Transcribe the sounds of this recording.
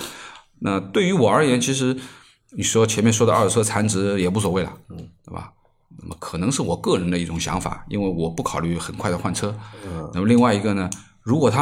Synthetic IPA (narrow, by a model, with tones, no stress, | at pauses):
na˥˧t̪we˥˩y˧˥wɔ˨˩ə˞˧˥jɛ˧˥nt͡ɕʰi˧˥ʂ̬ɻ̩˧˥ | ni˨˩ʂwɔ˥t͡ɕʰjɛ˧˥nmjɛ˥˧nʂwɔ˥d̪ə˧ə˞˥˧˩t͡sʰɤ˥t͡sʰa˧˥nʈ͡ʂɻ̩˧˥jɛ˨˩p̬u˥˩s̬wɔ˨˩we˥˩ɪlə̰˩t̪we˥˩ɪba̰˨˩ | na̰˥˩mə˩kʰɤ˨˩nɤ˧˥ŋʂɻ̩˥˩wɔ˨˩kɤ˥˩ɻə˧˥nd̪ə˧i˥˩ʈ͡ʂʊ˨˩ŋɕjɑ̰˧˥ŋfa̰˨˩˦ḭ˥nwe˥˩ɪwɔ˨˩pu˥˩kʰɑ˨˩ʊly˥˩xə˨˩nkʰwa˥˩ə˩xwa˥˩nʈ͡ʂʰɤ˥na˥˩mə˩li˥˧ŋwa˥˩ɪi˧˥ɡə˧nə˩ | ɻu˧˥kwɔ˨˩t̪ʰa˥